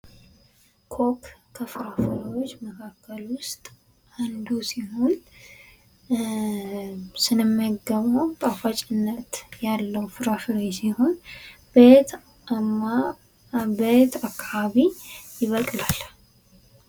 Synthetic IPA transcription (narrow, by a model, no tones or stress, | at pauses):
kʰo̞kkʰəfɨɾafɨɾwot͡ʃːməkʰakʰːəlwʊst̪ʼ | and̪usiho̞n | sɨnɨmːaɡəβəwt̪ʼafat͡ʃʼɪnːət̪jalːəwfɨɾafɾesiho̞n | be | ma | bet̪akʰːaβaβijɪβəkʼlal